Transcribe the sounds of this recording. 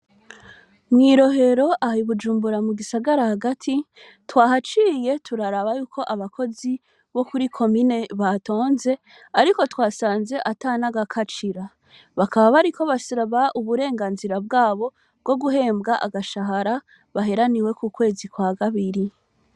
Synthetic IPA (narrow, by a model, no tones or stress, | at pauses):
mŋiːɾo̞ɦe̞ɾo̞ʔahiβud͡ʒuːmbuɾamuɡisaɡaɾahaɡatʰi | twaːɦat͡ʃiːje̞tʰuɾaɾaβajuːko̞ʔaβakʰo̞zi | βo̞kuɾikʰo̞mine̞βato̞ːnze̞ | aɾiko̞twaːsaːnze̞ʔataːnaɡakʰat͡ʃiɾa | βakʰaβaβaɾikʰo̞βasiɾaβaʔuβuɾe̞ːŋɡaːnziɾabɡaːβo̞ | b̚ɡ̥o̞ɡuɦe̞ːmbɡaʔa̰ɡaʃaɦaɾa | βaɦe̞ɾaniwe̞kukwe̞ːzikwakaβiɾi